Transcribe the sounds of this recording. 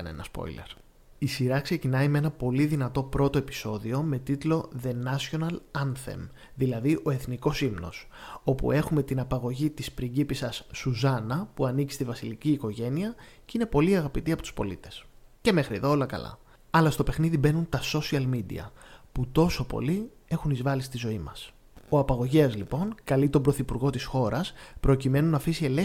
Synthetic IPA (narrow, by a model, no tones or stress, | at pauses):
ɐnḛnɐspo̞̰ile̞̰ɾ | isiɾɐkse̞cinɐimee̞nɐpo̞liðinɐt̪o̞pɾo̞t̪o̞e̞pi̥so̞ðio̞me̞t̪it̪lo̞ðe̞nɐsio̞nɐlɐnθḛm | ðilɐðiʔo̞e̞θniko̞simno̞̰s | o̞pṵe̞xume̞t̪inɐpɐɣo̞ʝit̪ispɾiɟipisɐsːuzɐnɐpuɐnici̥st̪ivɐsiliciːko̞ʝe̞niɐcine̞po̞liɐɣɐpit̪iɐpo̞t̪u̥spo̞̰lit̪e̞̥sce̞me̞xɾieðo̞o̞lɐkɐ̰lɐ̰ | ɐlɐst̪o̞pe̞xniðibe̞nunt̪ɐso̞siɐlmid̪ḭɐ̰put̪o̞so̞po̞̰li | e̞xunizvɐlist̪izo̞imɐs | oɐpɐɣo̞ʝeɐzlipo̞ŋkɐlit̪o̞bɾo̞θipuɾɣo̞t̪isxo̞ɾɐspɾo̞cime̞nunɐfisie̞le